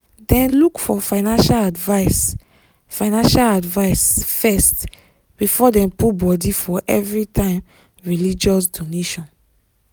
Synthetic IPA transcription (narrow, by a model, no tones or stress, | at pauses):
dɛ̃nlukfɔfãɪnãnʃaladvaɪs | fãɪnãnʃaladvaɪsfɛst | b̥ifɔdɛ̃mputbɔdifɔʔɛvɹitʰãɪ̃m | ɹilid͡ʒɔs̬doneʃɔ̃n